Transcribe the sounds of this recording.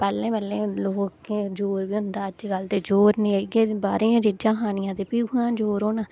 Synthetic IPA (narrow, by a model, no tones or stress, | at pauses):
pɛːlẽːbəlːẽːloːkeːd͡ʒoːɾʋiːɦʊnd̪aːəd͡ʒɡəlt̪eːd͡ʒoːɾnĩːɡeːbaːɾeːãːd͡ʒid͡ʒãːɦaːnɪjãːt̪eːpiːʊãːd͡ʒoːɾoːnãː